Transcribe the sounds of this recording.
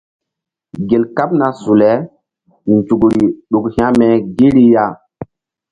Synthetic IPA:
ɡe˨lka˦p̚na˨su˨lɛ˦ | n˨d͡ʒu˨ɡɾi˨ɗu˨khĩ˦ã˦mɛ˨ɡi˦ɾi˦ja˦

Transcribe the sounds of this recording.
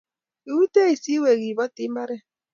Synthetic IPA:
i˨wu˦tɛ˦i˨si˦we˨ɣi˨βɔ˦ti˦mba˦ɾɛ˦

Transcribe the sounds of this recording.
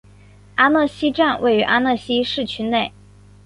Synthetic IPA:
a˥nɤ˥˩ɕi˥ʈ͡ʂa˥˧nwe˥˩ɪy˧˥ʔa˥nɤ˥˩ɕi˥ʂɻ̩˥˩t͡ɕʰy˥ne˥˩ɪ

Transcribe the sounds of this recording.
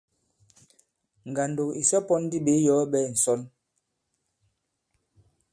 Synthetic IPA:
ŋ˨ɡa˨ndo˨ki˨sɛ˦pɔ˦n˦di˦˨ɓe˨˦jɔ˨˦ɓɛ˦˨n̩˨sɔ˦l

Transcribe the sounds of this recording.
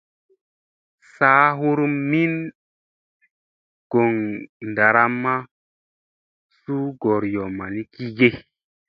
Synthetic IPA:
saː˦ɦu˦ɾmi˦n | ɡ̥o˨ŋn˨da˨ɾa˦mːa˦ | su˦ɡɔ˨ɾjɔ˨ma˨ni˦ki˦ɡe˦

